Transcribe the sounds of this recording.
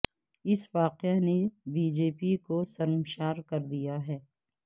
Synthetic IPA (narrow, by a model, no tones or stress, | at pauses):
ɪsʋaːqanebiːd͡ʒeːpikosɐɾmʃaːɾkɐɾd̪ijaɦɛː